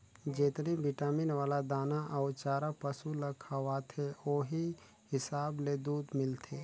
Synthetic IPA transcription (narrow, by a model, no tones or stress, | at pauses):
d͡ʒeːt̪nebɪʈaːmɪnʋaːlad̪aːnaʔaːt͡ʃaːɾapəsulɐkʰaʋaːt̪ʰeoːɦi | hɪsaːbled̪uːd̪mɪlt̪ʰeː